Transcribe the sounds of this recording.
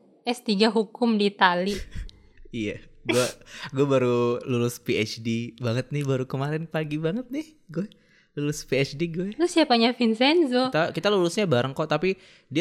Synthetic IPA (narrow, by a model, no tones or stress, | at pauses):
ʔɛst̪iɡaɦukʊmdit̪ali | ijaɡuaɡuɛbaɾululʊspiɛt͡ʃdibaŋət̪̚nɪhbaɾukəmaɾɪnpaɡibaŋət̪̚nɪh | ɡuɛ | lulʊspiɛt͡ʃdiɡuɛʊsiapaɲafinsɛnzot̪akit̪alulʊsɲabaɾəŋkɔt̪api | di